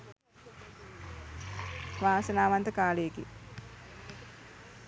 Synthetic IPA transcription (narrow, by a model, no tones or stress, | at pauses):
ʋaːsɐnaːʋant̪əkaːlejkḭ